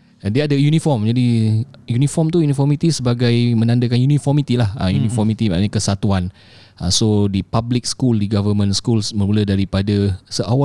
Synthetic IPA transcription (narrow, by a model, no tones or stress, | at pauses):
deadəjunĩfɔmd͡ʒadi | junĩfɔmt̪ujunifɔrmit̪isəbaɡajmə̃nãndəkanjunĩfɔrmit̪ilahə̰junĩfɔrmit̪imã̰ɲãkəsat̪uan | əsodipablɪk̚skuldiɡavəmə̃nskulsmə̃nulədaɾipadasəʔawa